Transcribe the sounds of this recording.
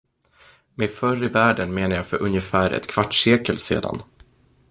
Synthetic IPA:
mɛfœrɪvæːɖənmeːnəjafœɾʔɵnjəfæːɾɛ̰t̪kʰv̥aʈʂeːkəlsḛːd̪a̰n

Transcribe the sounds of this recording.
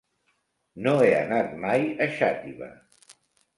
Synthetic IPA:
noeə̰nat̪majəʃat̪iβə̰

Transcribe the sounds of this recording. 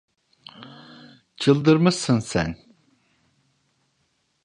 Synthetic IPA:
t͡ʃʰɯlˠd̪ɯɾmɯʃsɯnsɛ̰n

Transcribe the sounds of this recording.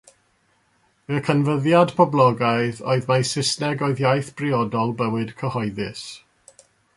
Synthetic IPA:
məkʰənvəðjadpʰɔblˠɔɡaɨðo̰ɨðmajsɪsnɛɡɔɨðjajθb̥rɪɔdɔlˠbəwɨd̥kʰəhɔɨðɪs

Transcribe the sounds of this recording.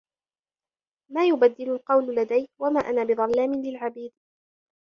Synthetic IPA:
maːjʊbad̪ːɪlʊlqɑwllad̪ajwamaːʔanaːbɨðˤɑlːaːmɪlɪlʕabiːd̪

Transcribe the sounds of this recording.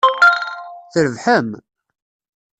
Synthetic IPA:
θəɾəvħəm

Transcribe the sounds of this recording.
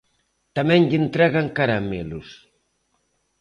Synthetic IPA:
t̪amɛnʎint̪ɾɛɣaŋkaɾamḭlus

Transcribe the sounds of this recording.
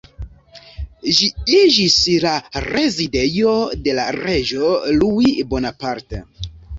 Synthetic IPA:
ʒiid͡ʒislare̞zide̞jo̞de̞laɾe̞d͡ʒo̞luibo̞napaɾtḛ

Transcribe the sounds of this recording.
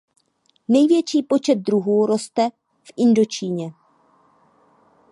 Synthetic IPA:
nɛjvjɛt͡ʃiːpo̞t͡ʃɛt̪̚dɾuɦuːɾo̞st̪ɛ | fʔɪndo̞t͡ʃiːɲɛ

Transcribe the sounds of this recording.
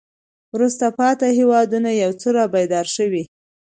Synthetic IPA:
wɾust̪apɑt̪aɦewɑd̪unajawt͡səɾɑbajd̪ɑɾʃəwi

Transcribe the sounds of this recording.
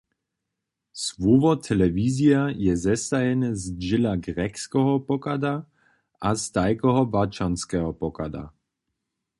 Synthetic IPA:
svɔvɔt̪ʰɛlɛviːziajɛzɛsajɛnɛzd͡ʒɪlaɡɾɛkskɔɦɔpɔkad̪a | ʔast̪ajkɔɦɔbat͡ʃanskɛɦɔpɔkad̪a̰

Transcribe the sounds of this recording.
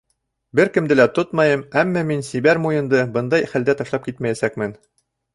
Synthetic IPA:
bɘɾkɘ̆md̪ɘlæt̪ot̪mɑjɤmæmːɑminsibæɾmujɤ̆nd̪ɤbɤnd̪ɑjχæld̪æt̪ɑʃlˠɑp̚kit̪mæjæsækmɘn

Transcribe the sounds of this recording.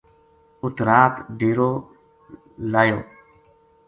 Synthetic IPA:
ʊt̪ɾaːt̪ɖiːɾoː | laːjoː

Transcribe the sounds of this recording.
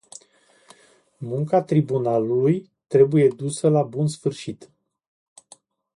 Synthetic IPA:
muŋkat̪ɾibunaluluj | t̪ɾe̞buje̞d̪usəlabunsfɨrʃit̪

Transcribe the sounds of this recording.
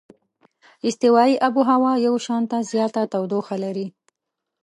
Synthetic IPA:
ɪst̪ɪwɑiʔabuɦawɑjawʃɑnt̪azjɑt̪at̪awd̪oxalaɾi

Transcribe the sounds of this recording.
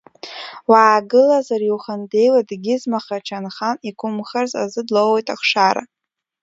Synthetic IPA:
waːɡɨlazarwχande̞jladɡʲɪzmaχat͡ʃʰanχanikʷʰʼʊmχarza̰zɨdlowwejtʼaχʂaɾa̰

